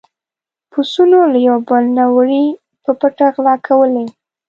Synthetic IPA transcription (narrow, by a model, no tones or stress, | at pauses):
pusunolajawbəlnawɾi | pəpəʈaɣlɑkʰawəle